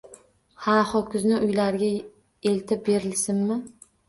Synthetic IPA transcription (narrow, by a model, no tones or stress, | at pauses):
hahɒkʲʰʊznɪʔʊjlaɾɡʲa | e̞lt̪ʰɪp̚be̞ɾɪlsɪnmɪ